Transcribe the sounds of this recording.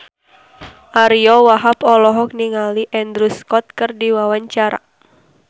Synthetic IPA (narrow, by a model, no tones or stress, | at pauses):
ʔaɾiɔwaɦapɔlɔɦɔk̚niŋaliʔɛnd̪ɾuskɔt̪̚kɨrdiwawaɲt͡ʃaɾa̰